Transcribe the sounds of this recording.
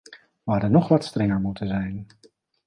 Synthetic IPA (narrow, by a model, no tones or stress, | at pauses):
ʋaːdənɔχʋɑtstrɛŋəɹmutənzɛjn